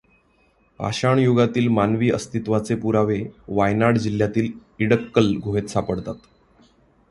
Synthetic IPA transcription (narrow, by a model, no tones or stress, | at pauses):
a̰ɕaɳjoɡat̪iːlmanʋiːəst̪it̪ʋat͡sepuɾaʋeʋajnaɽd͡ʑil̤jat̪iːliɽəkːəlɡʱoɦet̪sapəɽt̪at̪